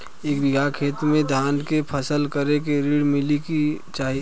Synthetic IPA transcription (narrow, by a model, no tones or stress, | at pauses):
eːkbɪɡʱakʰeːt̪mẽd̪ʱaːnkepʰəsəlkəɾekeɾiɽmɪlikit͡ʃaːɦi